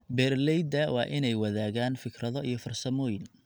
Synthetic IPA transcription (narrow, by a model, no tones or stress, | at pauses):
bɛːrlɛjd̪ɐwɑ̰ːʔɪnɛjwɐðaːɣaːnfɪkʰrɐðɔʔijɞfɐrsɐmɔːjɪn